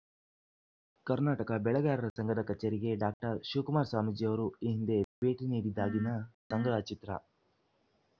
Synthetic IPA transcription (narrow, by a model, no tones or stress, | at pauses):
kɐɾnaːʈɐkɐbɛɭɐɡaːɾɐɾɐsɐŋɡɐd̪ɐkɐt͡ʃːeɾiɡe̞ɖaːk̚ʈɐɾʃuːkumaːɾsaːmid͡ʒijɐʋɐɾuiɦind̪e̞pe̞ːʈiniːɽid̪aːɡinɐsɐŋɡɾaːt͡ʃit̪ɾɐ̰